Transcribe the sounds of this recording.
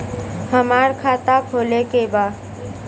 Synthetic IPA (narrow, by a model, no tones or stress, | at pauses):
həmaːɾkʰaːt̪apʰoːlekebaː